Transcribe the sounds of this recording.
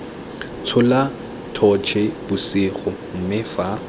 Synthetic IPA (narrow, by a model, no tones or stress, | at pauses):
t͡sʰʊla | tʰɔt͡ʃʰɪbʊsɪχʊ | m̩mɪfa